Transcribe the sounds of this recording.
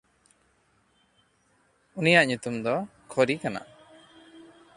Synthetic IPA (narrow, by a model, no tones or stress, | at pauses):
unijaʔɲut̪umd̪ɔkʰɔɾikana̰